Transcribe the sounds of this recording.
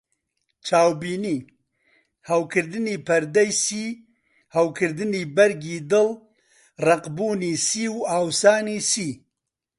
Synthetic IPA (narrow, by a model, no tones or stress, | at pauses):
t͡ʃʰaːwbiːniː | hɐwkʰɨɾd̪ɨniːpʰɐɾd̪ɛjsiː | hɐwkʰɨɾd̪ɨniːbɛɾɡiːd̪ɨl | rɐqbuːniːsiːwaːwsaːniːsiː